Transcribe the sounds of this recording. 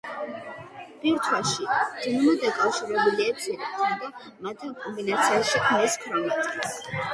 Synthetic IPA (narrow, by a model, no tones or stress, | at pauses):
b̥iɾt̪ʰwaʃid̪inmɔd̪ɛkʼafʃiɾɛbuliaɛt̪sʰiɾɛt̪ʰamd̪ɛ | mat̪ʰikʼɔmbinat̪sʰiaʃikʰmɛskʰɾɔmɛt̪ʼkʼis